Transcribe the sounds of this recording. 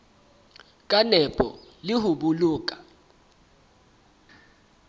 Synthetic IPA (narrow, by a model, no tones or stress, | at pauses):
k̬ʼanɛb̥ʱʼɔ̰lihuɓuluːk̬ʼḁ